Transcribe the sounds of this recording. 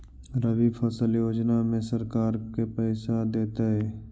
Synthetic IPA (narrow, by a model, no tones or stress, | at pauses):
ɾəʋipʰəsəljoːd͡ʒnamẽsəɾkaːɾkepɛːsad̪eːt̪aɦɛː